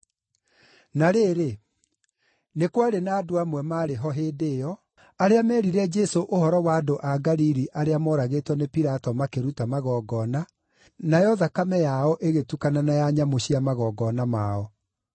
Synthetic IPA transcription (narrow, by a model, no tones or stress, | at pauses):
naɾeːɾe | nekwaɾenaːdoamwɛmaɾeɦɔɦeːdeːjɔ | aɾeamɛːɾiɾɛd͡ʒɛsoʔohɔɾɔwaːdoʔaɡaɾiɾiʔaɾeamɔɾaɣetwɔnepiɾatɔmakeɾutamaɣɔːɡɔna | najɔðakamɛjaɔʔeɣetukananajaɲamoɕiamaɣɔɡɔnamaɔ